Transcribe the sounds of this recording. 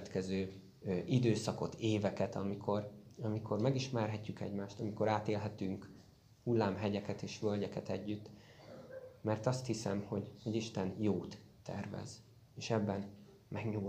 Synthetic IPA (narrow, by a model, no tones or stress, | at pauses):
t̪kɛzøː | ʔid̪øːsɒko̞t̪eːvɛkɛt̪ɒmikʰo̞rɒmikʰo̞rmɛɡiʃmɛrɦɛcːykɛ̰ɟmaːʃt̪ɒmiko̞ɾaːt̪eːlɦɛt̪yŋk | hulːaːmɦɛɟɛkɛt̪eːʃʋølɟɛkɛt̪ɛɟːyt̪ː | mɛrt̪ɒst̪hisɛmho̞ɟho̞ɟiʃt̪ɛnjoːt̪ː | ɛ̰rvɛ̰z̥ | eːʃɛbːɛn | mɛɡɲuː